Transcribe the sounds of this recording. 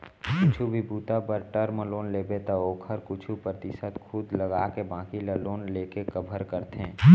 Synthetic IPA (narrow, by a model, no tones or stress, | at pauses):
kʊt͡ʃʰubʱibuːt̪apəɾʈəɾməloːnleːbet̪aoːkʰəɾkʊt͡ʃʰupɾət̪ɪʃət̪kʰʊd̪ləɡaːkebãːkiləloːnleːkekəbʱəɾkəɾt̪ẽː